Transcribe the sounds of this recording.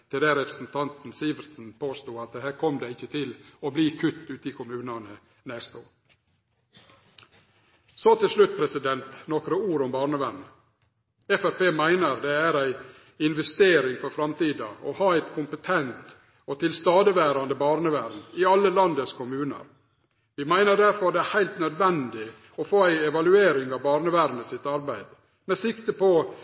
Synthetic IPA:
t̪ʰɪld̪ɛɾɛpɾəsn̩t̪ʰɑnt̪n̩siːʋəɾsn̩pʰoːst̪uːɑt̪̚d̪ɛhæːɾkʰɔmd̪ɛɪɪçːət̪ʰɪlɔbliːkʰʉt̪ːʉːt̪əɪkʰʊmʉːnɑnə | nɛst̪oːɾ | sɔt̪ʰɪlʂlʉt̪̚ːpʰɾɛsɪd̪ɛnt̪nɔkɾəuːɾʊmbɑːɾɳəʋænə | ɛfæɾpeːmæɪnəɾd̪ɛæɾæɪ | ɪnʋɛst̪eːɾɪŋfɔɾfɾɑmt̪iːd̪ɑ̰ʔɔhɑːæɪt̪kʰʊmpət̪ʰɛnt̪ | ɔt̪ʰɪlst̪ɑːd̪əʋæːɾɑnd̪əbɑːɾnəʋæɾnɪɑlːəlɑnd̪əskʊmʉːnə̰ɾ | ʋɪmæɪnəɖæɾfɔd̪ɛæɾhæɪlt̪nœd̪ʋɛnd̪ɪ | ɔfoːæɪɛʋɑlʉeːɾɪŋɑʋbɑːɾnəʋæɾnəsɪt̪ɑɾbæɪd̪ | mɛsɪkt̪əpɔ

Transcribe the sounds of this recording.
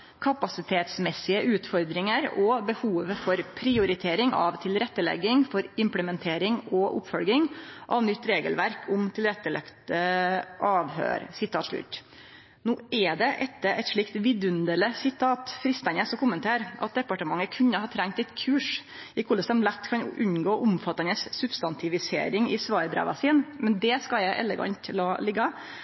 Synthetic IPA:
kʰɑpɑsɪt̪ʰeːt̪smɛsɪəʔʉːt̪fɔɾd̪ɾɪŋəɾɔbəhuːʋfɔɾpʰɾɪʊɾɪt̪ʰeːɾɪŋʔɑ̰ʋt̪ʰɪlɾɛt̪ːəlɛ̰ɡːɪŋfɔɾɪmpləmɛnt̪ʰeːɾɪŋɔʔʊ̰pfɔlɡɪŋʔɑʋnʏt̪ːɾeːɡə̰lʋæɾkʰʊmt̪ʰɪlɾɛt̪ːəlɛ̰kt̪əʔɑːʋhø̰ːɾsɪt̪ʰɑːt̪ʂɭʉ̰t̪ː | noːʔɛd̪ɛʔɛt̪ːəʔɛt̪ʂɭɪkt̪ʋɪd̪ʉnd̪ələsɪt̪ʰɑːt̪fɾɪst̪ɑnɛsɔkʊmːənt̪ʰeːɾʔɑ̰t̪̚d̪ɛpɑʈəmɑŋːəkʰʉnːəhɑːt̪ʰɾæŋkt̪ɛɪt̪kʰʉːʂ | ɪkʰʊlːəsd̪ɛmlæt̪ːkʰɑnʉnɡoːʔʊmfɑt̪ːɑnəsːʉbst̪ɑnt̪ʰɪʋɪsḛːɾɪŋɪsʋɑːɾd̪ɾɛ̰ːʋɑ̰siːnmɛnd̪ɛskɑljæɪʔɛ̰lːəɡɑ̰ɲt̪lɑːlɪɡːɑ

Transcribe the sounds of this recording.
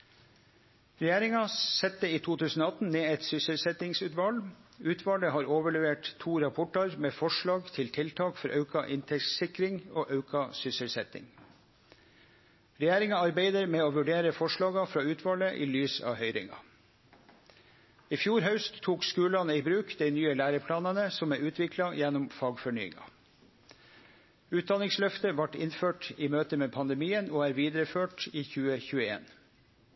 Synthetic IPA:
ɾɛjæːɾɪŋɑsɛt̪ːəiːt̪ʰuːt̪ʰʉːsn̩oːɑt̪n̩neːɛt̪sʏsəlsɛt̪ɪŋsʉːt̪ʋɑlʉːt̪ʰʋɑləhɑːɾoːʋəɭɛʋeːʈt̪ʰuːɾɑpʰɔʈɑɾmeːfɔʂɭɑːɡt̪ʰɪlt̪ʰɪlt̪ʰɑːkfɔɾʔɑʉkɑʔɪnt̪ʰɛsɪkɾɪŋoːʔɑʉkʰɑsʏsəlsɛt̪ɪ̰ŋ | ɾɛjæːɾɪŋɑɑɾbeɪd̪əɾmeːoːʋʉɖeːɾəfɔʂɭɑːɡɑfɾɑːʉːt̪ʰʋɑːləʔḭːlyːsɑ̰ːhœʏɾɪ̰ŋɑ̰ | ifjuːɾɦœʉst̪ʰːuːkskʉːlɑnəiːbɾʉːkd̪æɪnyːəlæːɾəpʰlɑːnɑnəsɔmæːʉːt̪ʰʋɪkʰlɑjɛnɔmfɑːɡfɔɳyːɪ̰ŋɑ̰ | ʉːt̪̚d̪ɑnɪŋslœft̪əʋɑʈɪ̰nføːʈiːmøːt̪əmeːpʰɑnd̪ɛmiːənoːæːɾʋiːd̪əɾəføːʈiːçʉːəçʉːəḛːn

